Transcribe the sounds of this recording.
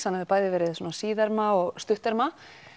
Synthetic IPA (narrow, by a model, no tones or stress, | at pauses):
sanɛvɪɾpaːjðɪvɛːɾɪðsuːnasiːðɛɾmaɔɣst̪ʏht̪ɛɾma